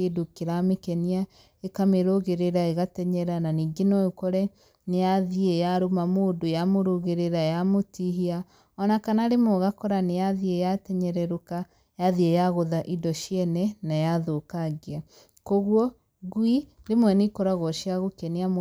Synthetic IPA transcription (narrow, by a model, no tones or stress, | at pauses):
edokeɾamekɛnia | ekameɾoɣeɾeɾaeɣatɛɲɛɾananiːŋɡenɔjokɔɾɛ | nejaðiejaɾomamoːdojamoɾoɣeɾeɾajamotiɦia | ɔnakanaɾemɔɣakɔɾanejaðiejatɛɲɛɾɛɾoka | jaðiejaɣoðaʔidɔʃjɛnɛnajaðokaɣea | koɣwɔ | ɣwiɾemwɛnekɔɾaɣɔʃiaɣokɛniam